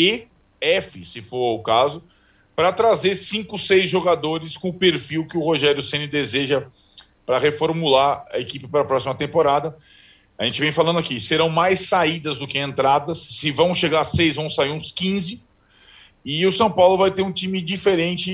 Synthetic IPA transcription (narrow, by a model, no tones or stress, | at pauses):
ɪ | ɛfɪ̰sɪfoɾʊkazʊ | pɾɐt̪ɾazeɾsĩŋkʊsejzʒoɡad̪oɾɪskõʊpeɾfiwkɪʊhoʒɛɾjʊsẽnɪd̪ezeʒɐ | pɾɐhefoɾmulaɾɐ̰ekipɪpɾɐpɾɔsimɐt̪ẽmpoɾad̪ɐ | aʒẽnt͡ʃɪvẽj̃falɐ̃d̪ʊakiseɾɐ̃w̃majsːaid̪ɐzd̪ʊkɪẽnt̪ɾad̪ɐsːɪvɐ̃w̃ʃeɡasejzvɐ̃w̃saiɾũskĩzɪ | ɪʊsɐ̃w̃pawlʊvajt̪eɾũt͡ʃĩmɪd͡ʒifeɾẽnt͡ʃɪ